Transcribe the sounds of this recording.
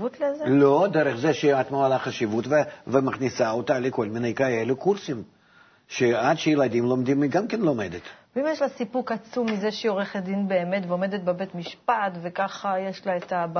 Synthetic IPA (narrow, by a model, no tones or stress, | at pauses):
ut̪lezelod̪ɛɾəχzeʃeat̪moalaχaʃivut̪vevemɐχnʲisaot̪alʲɪko̞lʲmine̞jkae̞lʲukursim | ʃead̪ʃejelad̪ʲimlˠo̞md̪imiɡamkʲenlˠo̞med̪et̪vimjeʃlasipukat͡sumːizeʃeoʁeχed̪inbeːmet̪veomed̪et̪bebet̪miʃpat̪vekaχajeʃlaet̪a